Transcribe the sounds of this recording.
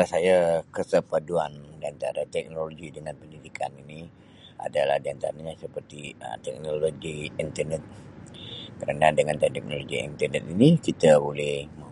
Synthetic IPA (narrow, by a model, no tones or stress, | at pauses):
lasajakəsəpaduandiant̪a̰ɾat̪ɛk̚noloɡidəŋanpəndidikʰa̰nini | a̰dala̰hdiant̪a̰ɾaɲãsəpərt̪iə̰t̪ɛk̚noloɡiint̪ərnɛt̪̚ | kəɾanadəŋant̪ɛt̪ɛk̚noloɡḭḭnt̪ənɛt̪̚inikit̪abolɛhmə